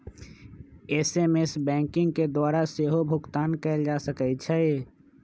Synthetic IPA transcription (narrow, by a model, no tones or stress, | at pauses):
eːseːmesbɛ̃ːŋkɪ̃ŋɡked̪waːɾaseːɦobʱʊɡt̪aːnkɛld͡ʒaːsəkɛt͡ʃʰɛ